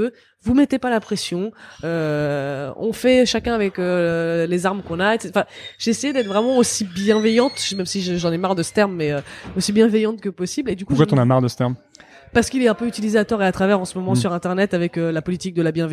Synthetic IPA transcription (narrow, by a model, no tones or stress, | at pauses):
ø | vumɛt̪epalapχɛsjɔ̃ø | ɔ̰̃fɛʃakʲɛ̃avɛkølezaʁmkɔ̃naet̪sɑ̃fɛ̃ʒ̥eːsejed̪ɛt̪χvʁɛmɑ̃osibjɛ̃vɛjɑ̃t̪ʒmɛmsiʒəʒɑ̃nɛmaʁd̪əsə̥t̪ɛʁmːɛøosibjɛ̃vɛjɑ̃t̪kəpɔsibled̪ykuʒkwat̪ɔ̃namaʁd̪əsə̥t̪ɛʁm | paʁsə̥kilɛt̪ɛ̃pøyt̪ilizeat̪ɔʁeat̪χavɛʁɑ̃səmɔmɑ̃syʁɛ̃t̪ɛʁnɛt̪avɛkølapɔlit̪ik̚d̪əlabjɛ̃v